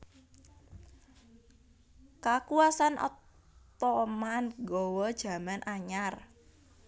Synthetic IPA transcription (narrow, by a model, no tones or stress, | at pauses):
kakuasanɔ̰ | t̪ɔmanɡɔwɔd̥ʒ̥a̤manʔaɲar